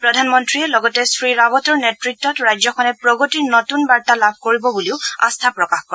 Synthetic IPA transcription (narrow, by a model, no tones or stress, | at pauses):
pɹɔdʱanmɔntɹiɛlɔɡɔtɛsɹiɹabɔtɔɹnɛtɹik̚tːɔtɹajd͡ʒzɔkʰɔnɛpɹɔɡɔtiɹnotunbaɹtalabʱkoɹibɔbuliʊa̰st̪ʰapɹɔkaxkɔɹ